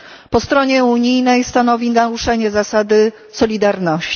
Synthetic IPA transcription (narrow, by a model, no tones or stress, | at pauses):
pɔst̪ɾɔɲɛuɲijnɛjst̪anɔvʲinaɾuʂɛɲɛzasad̪ɘ | sɔlʲid̪aɾnɔɕ